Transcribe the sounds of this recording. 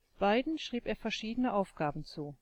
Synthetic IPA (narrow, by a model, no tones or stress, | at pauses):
b̥aɪdn̩ʃʁ̥iːpeːɐfɛɐʃiːdənəʔaʊfɡ̥aːbn̩t͡suː